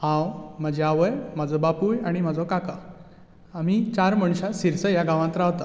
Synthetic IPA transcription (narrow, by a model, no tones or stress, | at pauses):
hãwm̤əd͡ʑeaʋəjm̤ad͡zɔbapujaɽ̃im̤ad͡zɔkaka | am̤it͡ɕaɾməɳɕasiɾsəjaɡãʋãt̪ɾaʋt̪a